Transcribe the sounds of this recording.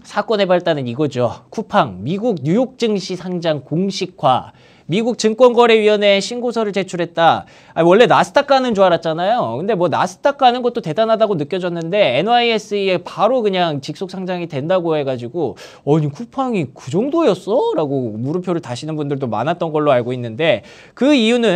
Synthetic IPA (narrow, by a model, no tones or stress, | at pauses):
sʰak͈wʌne̞baɭt͈anɯniɡʌd͡ʑokʰupʰaŋmiɡuɡ̚ɲujok̚t͡ɕ͈ɯŋɕʰisʰaŋd͡ʑaŋkoŋɕʰikʰwa̰ | miɡuk̚t͡ɕɯŋk͈wʌnɡʌɾe̞ɥiɦʌne̞ɕʰinɡosʰʌɾɯɭt͡ɕe̞t͡ɕʰuɾɦe̞t̚t͈a | awʌɭːe̞nasʰɯ̥tʰak͈ʰanɯnd͡ʑoaɾat̚t͡ɕ͈anajokɯnde̞mwʌna̰sʰɯ̥tʰak͈ʰanɯnɡʌt͈̚ote̞danɦadaɡonɯk͈jʌd͡ʑʌnːɯnde̞enaies͈ɯepaɾokɯɲaŋt͡ɕik̚s͈ok̚sʰaŋd͡ʑaŋitwe̞ndaɡoɦe̞ɡad͡ʑiɡo | ʌɲikʰupʰaŋikɯd͡ʑʌŋdojʌs͈ʌɾaɡomuɾɯpʰjoɾɯɭtaɕʰinɯnbundɯɭdoma̰nat̚t͈ʌnɡʌɭːoaɭɡoinːɯnde̞ | kɯijunɯ